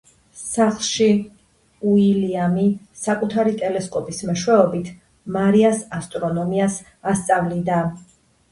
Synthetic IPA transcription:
saχlˠʃi | uiliami | sakʼut̪ʰaɾit̪ʼɛlɛskʼɔpʼismɛʃwɛɔbit̪ʰ | maɾiasast̪ʼɾɔnɔmias | ast̪sʼavlid̪a

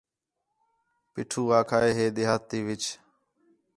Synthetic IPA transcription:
pɪːʈʰuːʋaːkʰaːeːɦeːɗ̪ɪɦaːt̪iːʋɪt͡ʃ

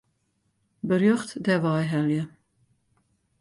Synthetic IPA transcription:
bəɾjøχtdɛʋɑjɦɛljə

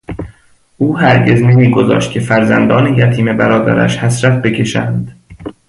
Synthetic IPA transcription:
ʔuːhæɾɟe̞zne̞miːɡo̞zɒ̰ːʃt̪̚cʲʰe̞fæɾzænd̪ɒːnejæt̪ʰiːme̞bæɾɒːd̪æ̰ɾæ̰ʃhæsɾæt̪̚ʰbe̞cʰe̞ʃæ̰ːnd̪̥

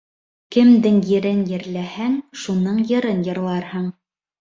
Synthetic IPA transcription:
kɘ̆md̪ɘŋjɘ̆ɾɘnjɘ̆ɾlæhæŋʃunɤɴjɤ̆ɾɤnjɤ̆ɾlˠɑɾhɤɴ

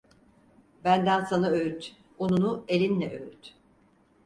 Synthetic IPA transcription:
bænd̪ænsanaøyt̪ | onunuelʲinlʲɛʔøyt̪

